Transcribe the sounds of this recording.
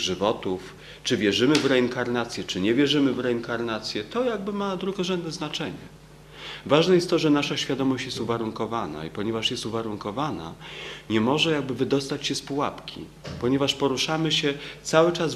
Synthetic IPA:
ʐɘvɔt̪uf | t͡ʂɘvʲjɛʐɘmɘvɾɛiŋkaɾnat̪sʲjɛt͡ʂɘɲɛvʲjɛʐɘmɘvɾɛiŋkaɾnat̪sʲjɛt̪ɔjaɡbɘmad̪ɾuɡɔʐɛnd̪̚nɛznat͡ʂɛɲɛ̰ | vaʐnɛjɛst̪t̪ɔʐɛnaʂaɕfʲjad̪ɔmɔɕt͡ɕjɛst̪uvaɾuŋkɔvana̰ipɔɲɛvaʂjɛst̪uvaɾuŋkɔvana̰ɲɛmɔʐɛjaɡ̚bɘvɘd̪ɔst̪at͡ɕɕɛspuwapkʲḭ | pɔɲɛvaʂpɔɾuʂamɘɕɛt̪sawɘt͡ʂas

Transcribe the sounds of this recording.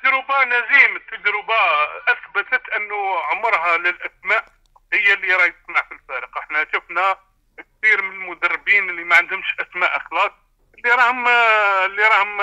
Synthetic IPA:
d͡ʒɾəbanæzimət̪ːəd͡ʒɾəbaʔæsbət̪ət̪ʔənːʊʕʊmːəɾˤɦaləlʔæsmæʔ | həjːælːiɾˤɑjt̪ə̥q̪̚ˤnaʕfilfæɾiqʔəħnæt̪əfnæ | k̚t̪iɾmənəlmʊd̪ərˤːbinlːimæʕand̪əmʃʔæsmæʔəxlɑt̪̚ | lːiɾˤɑhəmlːiɾˤɑhəm

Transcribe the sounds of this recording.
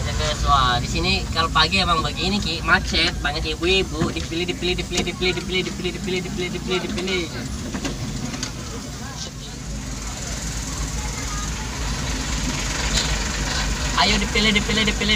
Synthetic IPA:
d͡ʒak̪əsuadisinikalopaɡiemaŋbaɡiːnikimat͡ʃɛt̪̚baɲakebuebudipilɪhdipilɪhdipilɪhdipilɪhdipilɪhdipilɪhdipilɪhdipilɪhdipilɪhdipilɪ | ajodipilɪhdipilɪhdipilɪ

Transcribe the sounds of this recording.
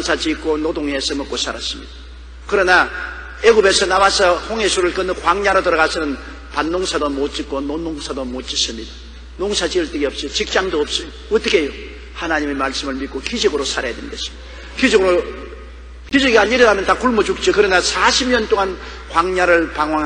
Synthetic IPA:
onsʰat͡ɕik͈onodoŋesɯmʌk͈osʰaɾas͈ɯmɲḭd̥ḁ | kɯɾʌna | eɡube̞sʰʌnawasʰʌhoŋɦesʰuɾɯɭkʌnːɯkwaŋɲaɾotɯɾʌɣasʰɯnɯn | panːoŋsʰadomot͡ɕ͈ik͈ononoŋsʰadomot͡ɕ͈is͈ɯmɲid̥a | noŋsʰad͡ʑiɯɭt͈ɯɡiʌp̚s͈it͡ɕik̚t͡ɕ͈aŋdoːp̚s͈ɯjo | ʌt͈ʌkʰejo | hanaɲime̞maɭs͈ɯmɯɭmit̚k͈okid͡ʑɯɡɯɾosʰaɾajadwenɡesʰi̥ | kid͡ʑʌɡɯɾo | kid͡ʑɯɡiaɲiɾɯnɦamjʌntakuɭmud͡ʑuk̚t͡ɕ͈okɯɾʌnasaɕʰibɲʌnt͈oŋan | kwaŋɲaɾɯɭpaŋɦwaŋ

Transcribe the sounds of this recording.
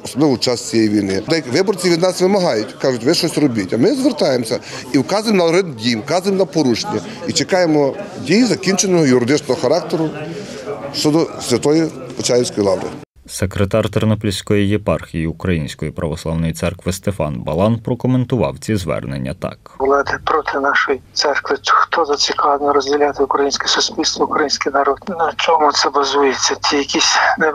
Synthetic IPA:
ɔsɔblˠɪʋʊt͡ʃɑst͡sʲijɛjʋʲijnɪd̪ɛjkʋɪbɔɾt͡sʲiʋʲid̪nɑsʋɪmɐɦɑjʊtʲkɑʒʊtʲʋɪʃɔsʲrɔbʲitʲɐmɪzʋert̪ɑjemsʲɐiwkɑzʊjɪmnɐɾɪd̪dʲijwkɑzʊjɪmnɐpɔɾuʃnʲɐ | it͡ʃekɑjemɔdʲijizɐkʲint͡ʃenɔɦɔjʊɾɪd̪ɪt͡ʃnɔɦɔxɐɾɑkt̪eɾʊ | ʃt͡ʃɔd̪ɔsʲʋʲɐt̪ɔjipɔt͡ʃajʲɪwsʲkɔjlˠɑʋɾɪ̰ | sekɾet̪ɑrt̪eɾnɔplʲisʲkɔjijepɑrxʲijiukɾɐjinʲsʲkɔjipɾʔɐʋɔslˠɑwnɔjit̪sɛrkʋɪst̪efɑ̰nbɐ̰lˠɑnpɾɔkɔment̪ʊʋɑ̰wt͡sʲizʋɛ̰rnḛnʲːɐ̰t̪ɑ̰klˠɑd̪ɪpɾɔt̪ʰɪnɑʃɔjit̪sɛrkʋɪxt̪ɔzɐt͡sʲikɑlnɔɾɔzʲdʲɪlʲat̪ɪʊkɾɐjinʲsʲkɛsʊsʲpʲilʲst̪ʋɔʊkɾɐjinʲsʲkɪjnɐɾɔd̪nɐt͡ʃɔmʊt̪sɛbɐzujet͡sʲːɐtʲʰijɐkʲisʲnɛ

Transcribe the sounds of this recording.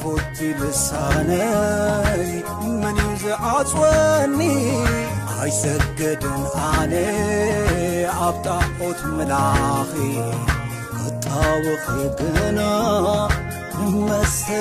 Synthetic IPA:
fot̪ʰːilɨsanɐ | j | mɨnizɨʕat͡sʼwɐnːi | ʔajsɐɡɐd̪ɨnʔane | aβt̪ʼaʔʼot̪mɨlaxi | kʰɐt̪ʼːawɨxɨɡɨna | mɐsɐ

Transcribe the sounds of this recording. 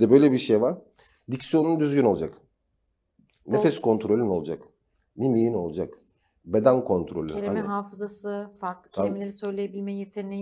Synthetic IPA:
d̪ɛbø̞jlʲebiɾʃejvaɾ̥ | d̪icsijo̞nund̪yzɟyno̞lˠad͡ʒak | nefɛskʰo̞nt̪ʰɾo̞lʲyno̞lˠd͡ʒak | nimijino̞lˠad͡ʒak | bed̪ænkʰo̞nt̪ʰɾo̞lʲyeɾimɛɦaːfɯzasɯfaɾklˠɯ̥cʰeemilʲeɾisø̞jlʲejebilʲmejjet̪ʰeɾinʲi

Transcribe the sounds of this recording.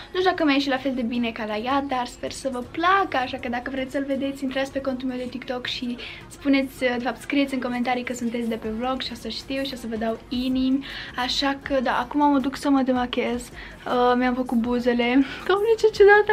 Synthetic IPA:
nud̪akəmaeʃilafe̞ld̪e̞bine̞kalajad̪arspe̞rsəvəplakəaʃakəd̪akəvɾe̞t̪sʲsəlve̞d̪e̞t̪sʲint̪ɾat̪sʲpe̞ko̞nt̪ulme̞wd̪e̞t̪ikt̪o̞kʃi | spune̞t̪sʲəd̪e̞fapt̪skɾijesʲɨŋko̞ment̪aɾijkəsunt̪et̪sʲd̪e̞pe̞blo̞ɡʃiosəʃt̪iwʃiosəvəd̪awinimʲaʃakəd̪aʔakumaməd̪uksəməd̪eməkʲe̞z | əmeamfəkut̪̚buze̞le̞komnit͡ʃet͡ʃed̪at̪ə

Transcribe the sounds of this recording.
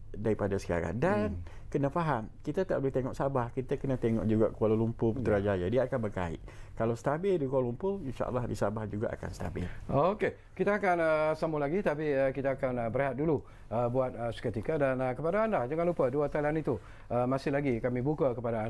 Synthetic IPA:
daɾipadasə̥ka̰ɾa̰ndan | kənafaɦamkit̪at̪aʔbəleht̪eŋɔ̰ʔsabahkit̪akənat̪eŋɔ̰ʔd͡ʒuɡa̰ʔkəwalalumpʊpət̪əɾad͡ʒajadiaːkanbərka̰ɪ̰ʔkalawsət̪abɪldikolumpoinʃa̰ʔə̰lːɑhdisabahd͡ʒuɡa̰ʔa̰ka̰nsə̥t̪a̰bɪ̰loke | kit̪aːkanəsamulaɡit̪apiəkit̪aːkanəbəɾeɦat̪̚dulu | əbuat̪̚əsə̥kət̪ikədanəkəpadaːnlahd͡ʒəŋanlupəduat̪alanit̪u | əmasɪhlaɡikamibukakəpadaː

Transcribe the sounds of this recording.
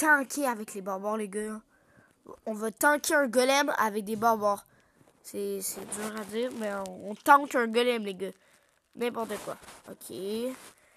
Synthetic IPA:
k̪ɑ̃kʲʰeavɛklebɔʁbɔʁleɡø̃ | ɔ̃vøt̪ɑ̃kʲeɛ̃ɡɔlɛma̰vɛk̚d̪ebɔʁbɔʁ | sɛsɛt̪zɔ̃ʁad̪imɛɔ̃ɔ̃t̪ɑ̃kɛ̃ɡɔlɛmleɡø | nɛ̃pɔʁt̪əkwa̰ɔ̰kʲʰe

